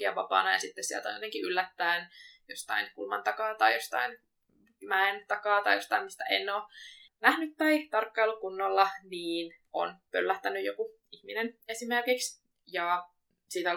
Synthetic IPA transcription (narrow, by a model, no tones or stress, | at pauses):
iɑ̰ʋɑpɑ̰ːnɑjɑ̰sit̪ːessiḛlt̪o̰jot̪eŋkiʔylːæt̪ːæenjost̪ɑ̰inkulmɑ̰nt̪ɑkɑːt̪ɑjjost̪ɑ̰in | mæent̪ɑkɑːt̪ɑijost̪ɑimmist̪æʔenːoːnæhnyt̪tɑit̪ɑrkːɑilukunːolːɑniːnʔo̰npølːæht̪ænːyjoku | ihminenesimerkiks | jɑ | siːt̪